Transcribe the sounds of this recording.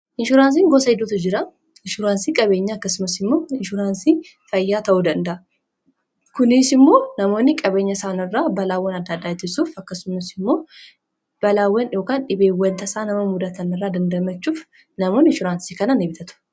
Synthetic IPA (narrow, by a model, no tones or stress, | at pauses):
ʔɪnʃʊɾaːns̬iːŋɡosɐɪd̪uːt̪ʊd͡ʒɪɾɐ | ɪnʃʊɾaːnsiːkʼɐbe̞ːɲːɐːkːɐsʊmɐsɪmːo̞ːɪnʃʊɾaːnsiː | fɐjːaːt̪ɐʔud̪ɐnd̪ɐʔɐ | kʊnɪsɪmːo̞ːnɐmo̞ːnːɪkʼɐbe̞ːɲːɐsaːnɪrːaːbɐlaːwːɐnɐd̪ːɐd̪ːaːɪt̪ːɪsuːfɐkːɐsʊmɐsɪmːo̞ː | b̥ɐlaːwːɐnjo̞ːkaːnᶑɪbeːwɐnt̪ɐsaːnɐmɐmʊd̪ɐt̪ɐnɐrːaːd̪ɐnd̪ɐmɐt͡ʃːuːf | nɐmoːnɪnʃʊɾaːnsikɐnɐnebɪt̪ʰɐt̪ʊ̥